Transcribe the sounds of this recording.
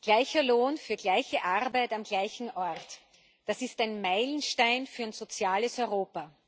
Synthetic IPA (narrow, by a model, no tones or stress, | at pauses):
ɡ̥laɪçɐloːnfyːɐɡlaɪçəʔaʁbaɪtamɡlaɪçn̩ʔɔɐt | d̥asɪstaɪnmaɪlən̩ʃtaɪnfyːɐæɪnz̥ot͡sjaːləsɔʏʁoːpɐ